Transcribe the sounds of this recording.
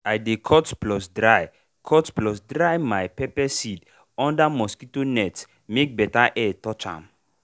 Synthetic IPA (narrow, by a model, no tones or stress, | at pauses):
ajdekʰɔtplɔsdɾaj | kʰɔtplɔsdɾajmajpɛpɛsid | ɔ̃ndamɔskitonɛts | mek̚bɛtaʔɛtɔt͡ʃa̰m